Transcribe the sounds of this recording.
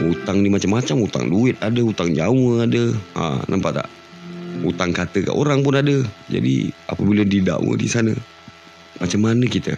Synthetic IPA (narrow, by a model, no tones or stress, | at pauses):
ut̪aŋdimat͡ʃamːat͡ʃamut̪a̰ŋduɪt̪̚adəut̪aŋd͡ʒawəadəa̰nʔa̰mpaʔt̪a̰ʔ | ut̪aŋkat̪əka̰ʔoɾaŋpʊnadəd͡ʒa̰dḭa̰pəbilədida̰ʔwə̰dḭsanə | mat͡ʃamːanəkit̪ə̰